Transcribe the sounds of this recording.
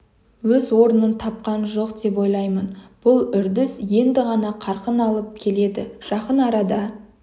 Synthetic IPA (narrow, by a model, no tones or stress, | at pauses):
wɵzwo̞ɾənənt̪ʰɑp̚qɑnʒo̞qd̪e̞p̬wo̞jlˠɑjmənb̥ʊlˠʏɾd̪ɪsje̞nd̪ɪʁɑnɑqʰɑɾqənɑlˠəp̚kʲʰe̞le̞d̪ɪ̰ʒ̥ɑqənɑɾɑd̪ɑ